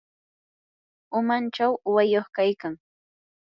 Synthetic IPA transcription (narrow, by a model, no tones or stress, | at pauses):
ʊmant͡ʃawʊwajoχkajkaŋ